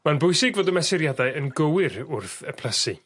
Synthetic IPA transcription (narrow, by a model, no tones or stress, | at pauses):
manbʊjsɪɡvoːdəmɛsɪɾjadaɨənɡəwɪɾʊrθəpʰl̥ˠəsi